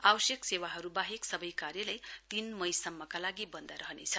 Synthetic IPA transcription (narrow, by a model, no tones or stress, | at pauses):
awʌsjeksewaɦʌɾubaɦeksʌbʌjkarjʌlʌjt̪inmʌjsʌmːʌkalaɡibʌnd̪aɾʌɦʌnḛt͡sʰʌ